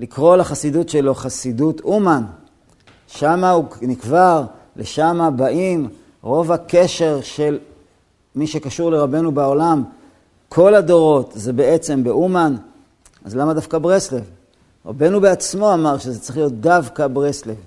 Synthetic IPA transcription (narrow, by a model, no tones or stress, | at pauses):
likʁo̞laχasidutʃelo̞χasidutuman | ʃamaunikvaʁ | leʃamabaʔim | ʁo̞vake̞ʃe̞ʁʃe̞l | miʃe̞kaʃuʁle̞ʁabe̞nubeo̞lam | kʰo̞lado̞ʁo̞tzebeet͡se̞mbeʔuman | a̰zlamadafkabʁeslev | ʁa̰be̞nubeat͡smo̞amaʁʃezet͡sʁi̥χlijo̞t̪̚d̪avkabʁeslev